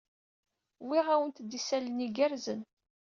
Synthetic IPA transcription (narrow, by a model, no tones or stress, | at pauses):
wiʁæwənt̪d̪isælniɡæɾzən